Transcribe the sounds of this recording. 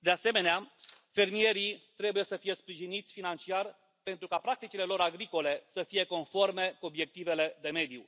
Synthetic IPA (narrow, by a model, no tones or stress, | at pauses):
d̪ease̞me̞neafe̞rmie̞ɾit̪ɾe̞buje̞səfije̞spɾiʒinit̪sʲfinant͡ʃiar | pe̞nt̪ɾukapɾak̚t̪it͡ʃile̞lo̞ɾaɡɾiko̞le̞səfije̞ko̞nfo̞rme̞kuo̞bje̞k̚t̪ive̞le̞d̪e̞me̞d̪ju